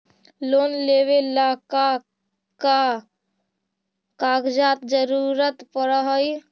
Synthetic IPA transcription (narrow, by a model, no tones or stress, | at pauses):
lonleβelaka | ka | kaɡd͡ʒat̪d͡ʒəɾuɾət̪pəɾəɦəj